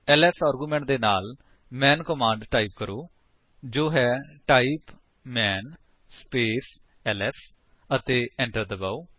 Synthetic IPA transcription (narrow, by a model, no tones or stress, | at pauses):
ɛːlɛsaːɾɡuːmɛ̃ːɳʈ̚d̪eːnaːl | mɛ̃ːnkəmãːɳɖʈaːiːp̚kəɾoː | d͡ʒoːɦɛːʈaːiːp | mɛːn | speːs | ɛːlɛːs | ət̪eːɛ̃ːɳʈəɾd̪əbaːuː